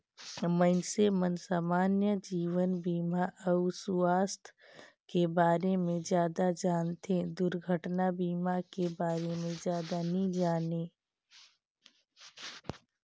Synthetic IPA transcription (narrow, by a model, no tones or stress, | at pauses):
mənsemənsaːmaːnjəd͡ʒiːʋənbiːmaʔəʊsuaːst̪ʰ | kebaːɾemẽd͡ʒjaːd̪ad͡ʒaːnt̪ẽd̪ʊɾɡʱəʈnabiːmakebaːɾemẽd͡ʒjaːd̪anəĩd͡ʒaːneː